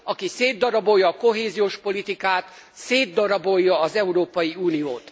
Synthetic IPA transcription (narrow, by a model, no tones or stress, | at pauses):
ɒkiseːd̪ːɒɾɒbo̞jːɒːko̞ɦeːzioːʃpo̞lit̪ikaːt̪ | seːd̪ːɒɾɒbo̞jːɒːzɛuɾoːpɒjiuːnijoːt̪